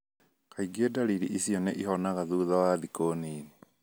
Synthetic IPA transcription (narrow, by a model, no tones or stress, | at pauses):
kaiɡedaɾiɾiʔisiɔneʔiɦɔnaɣaðuðɔwaðikoːniːne